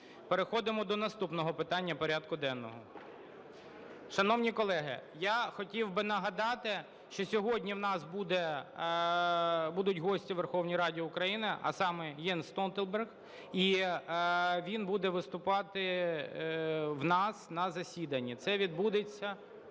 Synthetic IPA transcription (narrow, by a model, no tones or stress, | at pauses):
peɾexɔd̪ɪmɔd̪ɔnɐst̪upnɔɦɔpɪt̪ɑnʲːɐpɔɾʲad̪kʊd̪ɛnːɔɦɔ | ʃɐnɔwnʲikɔlˠɛɦɪjaxɔtʲiwbɪnɐɦɐd̪ɑt̪ɪ | ʃt͡ʃɔsʲɔɦɔdʲnʲiwnɑsbud̪ɛ | bud̪ʊtʲɦɔsʲtʲiʋerxɔwnʲijɾɑdʲiʊkɾɐjinɪɐ̰sɑmɛjɛnst̪ɔnt̪elˠbɛrɣ | i | ʋʲinbud̪ɛʋɪst̪ʊpɑt̪ɪ | wnɑsnɐzɐsʲid̪ɐnʲːit̪sɛʋʲid̪̚bud̪et͡sʲːɐ